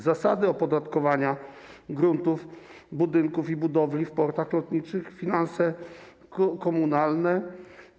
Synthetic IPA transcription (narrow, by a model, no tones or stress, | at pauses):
zasad̪ɘɔpɔd̪at̪kɔvaɲaɡɾunt̪uf | bud̪ɘŋkufibud̪ɔvlʲifpɔɾt̪axlɔt̪ɲit͡ʂɘxfʲinansɛ | kɔmunalnɛ